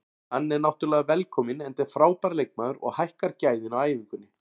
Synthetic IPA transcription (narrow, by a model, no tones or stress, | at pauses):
hanːɛɾnawht̪ʏɾlɛːɣavɛlkʰɔːmɪnɛnt̪ɛɾ̥fɾaːwpaɾlejk̚maðʏɾɔ̰ɣhajhkaɾcaːjðɪnawaːjvɪŋkʏnːɪ